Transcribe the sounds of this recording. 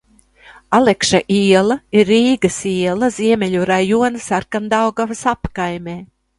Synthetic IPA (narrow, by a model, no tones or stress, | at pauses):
alˠɛkʃaʔiɛlˠɐiɾːiːɡɐsiɛlˠɐziɛmʲɛʎʲuɾajuɔnɨsaɾkand̪awɡavɐsapkajmʲeː